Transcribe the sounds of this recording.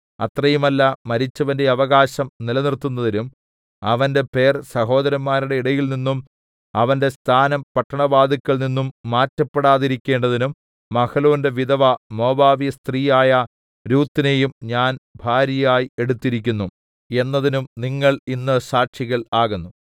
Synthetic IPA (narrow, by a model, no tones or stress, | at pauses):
ɐt̪rɐjumɐlːɐmɐɾit͡ɕːɐʋɐnde̞ɐʋɐɣaːɕɐmnilɐnirt̪ːunːɐðinum | ɐʋɐnde̞pe̞ːrsɐɦo̞ːd̪ɐɾɐmːaːɾuɽe̞iɽɐjilninːum | ɐʋɐnde̞st̪ʰaːnɐmpɐʈːɐɳɐʋaːd̪ikːɐɭninːumːaːtːɐpːeɽaːðiɾikʲːe̞ːɳɖɐðinumː | ɐkɐlo̞ːnde̞ʋiðɐʋɐmo̞ːbaːʋijɐst̪riːjaːjɐ | ɾuːt̪ːine̞jumɲaːnbʱaːɾjɐjaːjie̞ɽut̪ːiɾikʲːunːu | e̞nːɐðinumniŋːɐɭinːɨsaːʈʂiɣɐɭaːɣunːu